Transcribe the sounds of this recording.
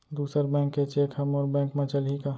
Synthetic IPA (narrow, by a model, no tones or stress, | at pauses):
d̪uːsəɾbɛ̃ːŋkːet͡ʃeːkʰəmɔːɾbɛ̃ːŋkmẽt͡ʃəlɦika